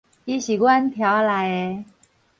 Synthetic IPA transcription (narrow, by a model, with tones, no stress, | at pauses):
i˧˦ɕi˨˩kwa˦nt̪ʰja˨˦wla˨˦j